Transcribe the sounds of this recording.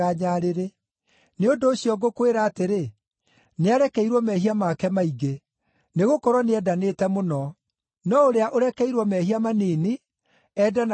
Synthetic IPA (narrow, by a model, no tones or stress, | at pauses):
aɲaɾeɾe | neondoːɕjɔɡokweɾaːteɾe | neaɾɛkɛiɾwɔmɛhiamakɛmaiɡe | neɣokɔɾwɔneɛdaneːtɛmonɔ | nɔoɾeaʔoɾɛkɛiɾwɔmɛɦiamaneːni | ɛdan